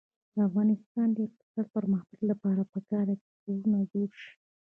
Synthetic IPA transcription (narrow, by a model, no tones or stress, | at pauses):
d̪̥əafɣɑnɪst̪ɑnd̪əjakt̪ɪ̥sɑd̪̚pəɾməxt̪əllapɑɾapəkɑɾaketoɾunazoɾʃi̥